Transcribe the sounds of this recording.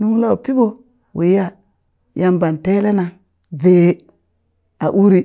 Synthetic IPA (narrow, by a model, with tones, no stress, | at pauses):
nu˦ŋ˦la˦wpi˦bo˦ | wḛ˨ja˦ | ja˦mba˨nte˦le˦na˨ | ve˨˦ | a˨ʔu˦ɾi˦